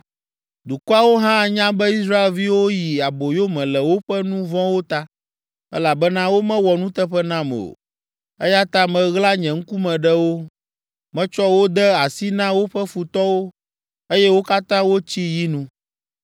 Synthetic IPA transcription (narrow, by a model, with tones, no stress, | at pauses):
d̪u˨ku˦a˦wo˦ɦã˦˨ɲã˦bɛ˦i˦s̬ɾa˦e˨lvi˦wo˦ji˨a˨bo˨jo˦mɛ̃˨lɛ˨wo˦ɸɛ˦nũ˦vɔ̃˦wo˦t̪a˦ | ɛ̰˦la˨bɛ˦nã˦wo˦mɛ̃˦wɔ˨nũ˦t̪ɛ˦ɸɛ˦nã˦mɛ̰˨o̰˨ | ɛ˦ja˦t̪a˦mɛ̃˨ɣla˦ɲɛ̃˨ŋ̩˦ku˦mɛ̃˨ɖɛ˦wo˦ | mɛ̃˦t͡ʃɔ˦wo˦d̪ɛ˦a˨si˦nã˦wo˦ɸɛ˦fu˨t̪ɔ˦wo˦ | e˦jɛ˦wo˦ka˦t̪ã˦wo˦t͡ɕi˦ji˦nũ˦